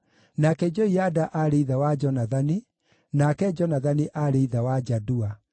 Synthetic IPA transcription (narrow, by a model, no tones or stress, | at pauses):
nakɛd͡ʒɔiadaʔaɾeiðawad͡ʒɔnaðani | nakɛd͡ʒɔnaðaniʔaɾeiðawad͡ʒadua